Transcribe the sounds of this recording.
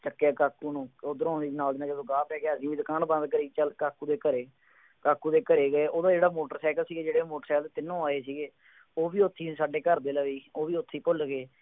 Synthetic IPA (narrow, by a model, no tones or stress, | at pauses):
t͡ʃəkːjaːkaːkːuːnũːoːd̪əɾõːnd̪iːd͡ʒnaːlɪnãːked̪õːɡaːpɛːɡaːəsĩːʋiːd̪ʊkaːnbə̃nd̪kəɾiːt͡ʃəlkaːkːuːd̪eːkəɾeː | kaːkːuːd̪eːkəɾeːɡəeːʔoːd̪aːd͡ʒeːɽaːmoːʈəɾsɛːkəlsiːɡeːd͡ʒeːɽeːmoːʈəɾsɛːkəlt̪eːt̪ɪnːõːaːeːsiːɡeː | oːʋiːʊt̪ʰːiːsaːɖeːkəɾd̪eːləʋiːoːʋiːʊt̪ʰːiːpʊlɡeː